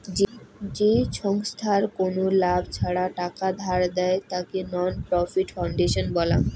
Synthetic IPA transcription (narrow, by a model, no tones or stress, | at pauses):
d͡ʑd͡ʑeʃɔŋst̪ʰaɾkonolabʱt͡ɕʰaɽaʈakad̪ʱaɾd̪ɛet̪akenɔnpɾɔfiʈfawɳɖeʃonbɔla̰m